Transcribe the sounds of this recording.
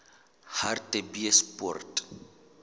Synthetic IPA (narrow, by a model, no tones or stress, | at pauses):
hartʼebiɛspɔ̰rtʼ